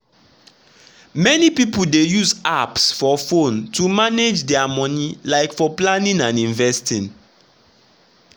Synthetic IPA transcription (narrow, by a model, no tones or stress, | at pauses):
mɛnipipul̩dejuzapsfɔfõntumaned͡ʒdɛamɔnilaɪkfɔplãnĩnãnĩɱvɛstĩn